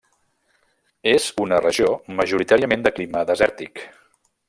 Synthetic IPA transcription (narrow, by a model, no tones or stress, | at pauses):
ez̥unərəʒioməʒuɾit̪aɾiəmẽnd̪əkliməðəzɛɾt̪ik